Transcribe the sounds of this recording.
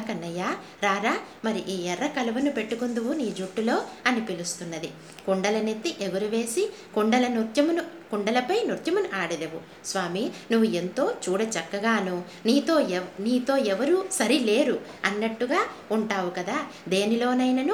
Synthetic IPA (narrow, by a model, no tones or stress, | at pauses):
kɐnːɐjaː | ɾaːɾaː | mɐɾiʔiːɛrːɐkɐlɐʋɐnupe̞ʈːukund̪uʋuniːd͡ʒuʈːulo̞ːɐnipilust̪unːɐd̪i | kuɳɖɐlɐne̞t̪ːiʔeɡɐɾuʋe̞ːsi | kuɳɖɐlɐnuɾt̪jɐmunukuɳɖɐlɐpɐjnuɾt̪jɐmunuʔaːɽɐleʋu | sʋaːminuʋːue̞nt̪o̞ːt͡ʃuːɽɐt͡ʃɐkːɐɡaːnu | niːt̪o̞ːniːt̪o̞ːɛʋɐɾusɐɾile̞ːɾu | ɐnːɐʈːuɡaː | uɳʈaːʋukɐd̪aː | d̪e̞ːnilo̞ːnɐjnɐnu